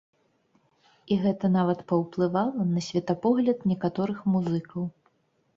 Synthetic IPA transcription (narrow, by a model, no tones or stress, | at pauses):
iɣɛt̪ɐnavɐt̪pɐwplˠɨvalˠɐnɐsʲvʲɛt̪ɐpɔɣlʲɐd̪nʲɛkat̪ɔɾɨxmuzɨkɐw